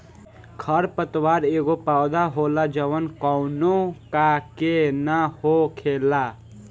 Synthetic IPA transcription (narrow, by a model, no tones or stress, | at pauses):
kʰəɾpət̪waɾeɡopawd̪aɦolad͡ʒəʋənkɔʊnokakenahokʰela